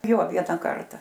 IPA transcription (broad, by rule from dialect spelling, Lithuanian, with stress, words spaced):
joː ˈʋʲiɛnɐ ˈkɐrtɐ